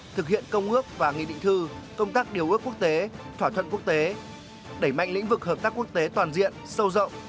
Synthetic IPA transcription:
t̪ʰɨ˨˩k̚hḭ˧˨ənkə˧wŋ͡mŋɨ˦˥ək̚vaː˨˩ŋḭ˧˨ɗḭ˧˨ŋ̟t̪ɨ˧kə˧wŋ͡mt̪aː˦˥k̚ɗi˨˩əwʔɨ˦˥əku˦˥ək̚t̪e˨˦t̪ʰwaː˧˩t̪ʰwə˧˨nku˦˥ək̚t̪e˨˦ | ɗe˧˩jma̰˧˨jŋ̟lḭ̈˧˥ŋ̟vɨ˨˩k̚həː˨˩p̚t̪aː˦˥kːu˦˥ək̚t̪e˨˦t̪waː˨˩nzḭ˧˨ənsə˧wzə̰˧˨wŋ͡m

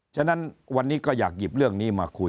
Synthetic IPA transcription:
t͡ɕʰa˥˩na˦˥nwa˧nːiː˦˥kɔː˥˩ja̰ː˨˩k̚ji˨˩p̚ɾɯ˥˩əŋniː˦˥maː˧kʰu˧

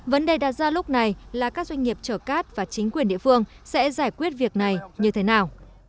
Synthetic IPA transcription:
və˨˦nɗe˨˩jɗaː˨˩t̚zaː˧lʊ˦˥k͡p̚na˨˩jlaː˨˩kaː˦˥k̚zwa˧ŋ̟ŋi˨˩əp̚t͡ɕəː˧˩kaː˦˥t̚vaː˨˩t͡ɕï˨˦ŋ̟kwi˨˩nɗḭ˧˨əfɨ˧əŋsɛ̰˧˥zaː˧˩jkwi˦˥ət̚vi˨˩ək̚na˨˩jɲɨ˧t̪ʰe˨˦naː˨˩w

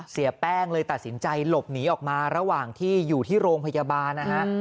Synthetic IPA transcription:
si˨˩˦pɛː˥˩ŋlɤː˧jt̪a˨˩t̪̚si˩˦nt͡ɕa˧jlo˨˩p̚niː˩˦˥ʔɔː˨˩k̚maː˧ɾa˧waː˨˩ŋt̪ʰiː˥˩juː˨˩t̪ʰiː˥˩ɾoː˧ŋpʰa˧jaː˧baː˧nːa˦˥kʰa˦˥ʔ

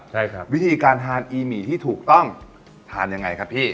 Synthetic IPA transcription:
t͡ɕʰa˥˩jkʰa˦wi˦˥t̪ʰiː˧kaː˧nt̪ʰaː˧nʔiː˧miː˨˩˦t̪ʰiː˥˩t̪ʰuː˨˩k̚t̪ɔ˥˩ŋ | t̪ʰaː˧nja˧ŋːa˧jkʰa˦˥pʰiː˥˩

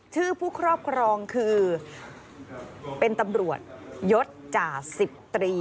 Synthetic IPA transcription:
t͡ɕ̪ʰɯː˥˩pʰuː˥˩kʰɾɔː˥˩p̚kʰɾɔː˧ŋkʰɯː˧ | pe˧nt̪a˧mɾu˨˩ət̪̚jo˦˥t̪̚t͡ɕaː˨˩si˨˩p̚t̪ɾiː˧

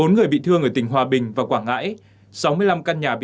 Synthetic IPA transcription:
o˨˦nŋɨ˨˩əjɓḭ˧˨t̪ʰɨ˧əŋʔəː˧˩t̪ï˧˩ŋ̟ɦwaː˨˩ɓï˨˩ŋ̟vaː˨˩kwaː˧˩ŋa̰ː˧˥j | sa˨˦wmɨ˧əjla˧mkaː˧nɲaː˨˩ɓ

